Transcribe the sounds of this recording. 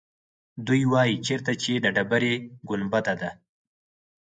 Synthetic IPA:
d̪ujwɑjit͡ʃeɾt̪at͡ʃed̪əɖabaɾeɡʊnbat̪ad̪a

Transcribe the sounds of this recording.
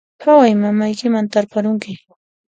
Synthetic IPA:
hawajmamajkɪmant̪aɾpaɾʊŋkɪ

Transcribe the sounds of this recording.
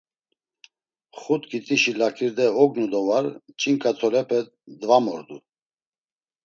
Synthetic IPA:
χut̪ɡit̪ʼiʃilakʰiɾd̪ɛɔɡnud̪ɔvaɾt͡ʃʼiŋkʼat̪ʰɔlɛpʰɛ | d̪vamɔɾd̪u

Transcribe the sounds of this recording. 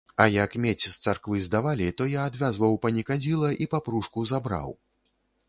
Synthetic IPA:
ɐjɐkmʲet͡sʲst̪sarkvɨzd̪avalʲit̪ɔjaːd̪vʲazvɐwpɐnʲikad͡zʲilˠɐʔipapɾuʂkuzabɾa̰w

